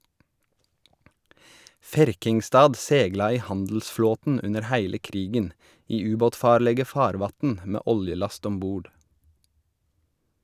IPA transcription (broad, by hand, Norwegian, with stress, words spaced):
ˈfæɾkɪŋˌstɑːd ˈsɛɡlɑ ˈiː ˈhɑndl̩sˌfloːtn̩ ˈʉnəɾ ˈhæɪlə ˈkɾiːɡən ˈiː ˈʉːˌboːtˌfɑːɾlɛɡə ˈfɑːɾˌʋɑtn̩ ˈmeː ˈʔɔljəˌlɑst ˈɔm ˈbuːɖ